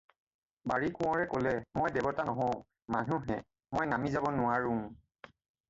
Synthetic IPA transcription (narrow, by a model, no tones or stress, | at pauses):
baɹikʊ̃ɔ̃ɹɛkolɛmojdɛbɔtanɔɦɔ̃ʊ̃ | manuɦɛ̰ | mojnamizabɔnʊaɹʊ̃m